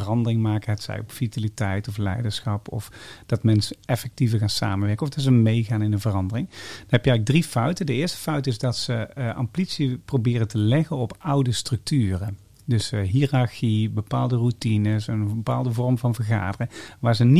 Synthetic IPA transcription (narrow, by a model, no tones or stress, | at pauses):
ərɑndərɪŋmaːkəɦətsɛ̰jɔpfitalitɛjtɔflɛ̰jdəɹsxɑpɔ̰fd̥ɑtmɛnsəɛfɛk̚tivəɣaːnsa̰ːmənʋɛɹkənɔfdɑts̬əmejɣaːnɪndəvərɑndərɪŋd̥ɑnɦɛpjəɛɣləɡ̚drifœɥtədəɪːɹstə̥fœɥtɪzdɑtsəʔɑ̰mplitsiprobɪːrəntəlɛɣənɔpɑwdəstrɵk̚tyːrə | dɵsɦiraɹxibəpaːlˠdərutinəsənbəpaːlˠdəvɔrmvɑnvəɹɣa̰ːdərəŋʋaːɹzən